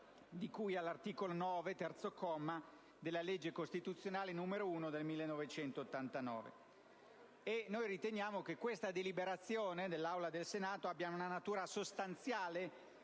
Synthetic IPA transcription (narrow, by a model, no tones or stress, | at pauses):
d̪ikujalːart̪iːkolonɔːvet̪ɛrt̪sokɔmːa | d̪elːaled͡ʒːekost̪it̪ut̪sːjonaːlenumeɾouːnod̪elmilːenːɔvet͡ʃɛnt̪oːt̪ːant̪anɔ̰ːvḛ | enojɾit̪enjaːmok̟ekwest̪ad̪elibeɾat̪sjoːned̪elːawlad̪elsenaːt̪oabːjaunanat̪uːɾasost̪ant̪sjaːle